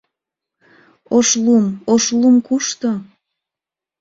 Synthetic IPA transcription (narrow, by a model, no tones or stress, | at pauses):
oʃlumoʃlumkuʃt̪o